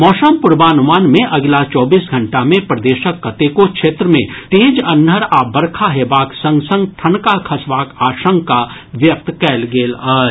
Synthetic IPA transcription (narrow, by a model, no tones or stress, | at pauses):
mɔːʃəmpʊɾbaːnʊmaːnmẽʔɐɡlat͡ʃɔːbiːsɡʱɐ̃ɳʈamẽpɾɐd̪eːʃəkːɐt̪ekokʃeːt̪ɾəmẽt̪eːd͡ʒɐnːəɾaːbɐɾkʰaɦeːbaːksɐ̃ŋɡsə̃ŋɡʈʰɐnkakʰɐsʋaːkaːʃə̃ŋkka | ʋjɐk̚t̪kɛːlɡeːlaː